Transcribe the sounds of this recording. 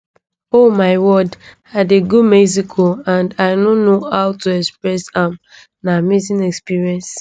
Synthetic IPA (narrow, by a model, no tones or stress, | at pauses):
omaɪwɔdhadeɡud̚mɛzikʰoãndaɪnonohawtuɛkspɹɛsãm | namiz̬ĩnɛkspiɹiɛ̃ns